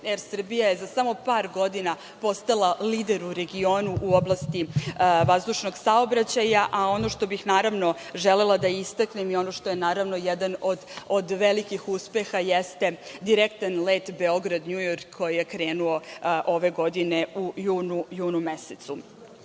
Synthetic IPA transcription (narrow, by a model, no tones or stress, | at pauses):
jeɾsr̩bijajezasamo̞paːɾɡo̞d̪ina | po̞st̪alˠaliːd̪e̞ɾuɾe̞ɡio̞ːnuʔuo̞blˠast̪iʋazd̪uʃno̞ɡsao̞bɾat͡ɕajaʔao̞no̞ʃt̪o̞bixnaːɾaʋno̞ | ʒele̞lˠad̪aist̪aknemio̞no̞ʃt̪o̞jenaːɾaʋno̞jɛd̪anod̪od̪ʋelikixuspe̞xajest̪e̞d̪iɾekt̪anle̞ːt̪be̞o̞ɡɾad̪ɲujoɾkkːo̞jijekɾeːnuoʔo̞ʋe̞ɡo̞d̪ine̞ʔujuːnujuːnumeset̪su